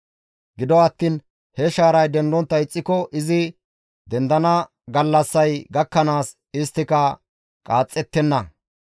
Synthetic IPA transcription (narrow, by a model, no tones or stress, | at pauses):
ɡɪd̪ɔɐt̪ːiːn | hɛʃaːɾɐjd̪ɛnd̪ɔnt̪ːɐɪt͡sʼːɪkɔʔɪzɪ | d̪ɛnd̪ɐnɐ | ɡɐlːɐsːɐjɡɐkːɐnaːs | ɪst̪ːɪkɐ | kʼaːt͡sʼːɛt̪ːɛnːɐ